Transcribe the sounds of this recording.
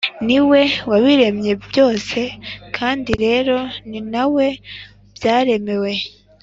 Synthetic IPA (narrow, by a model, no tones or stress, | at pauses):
niwe̞waβiɾe̞mɲe̞bjo̞ːse̞kʰaːndiɾe̞ːɾo̞ninawe̞ | b̥jaːɾe̞me̞we̞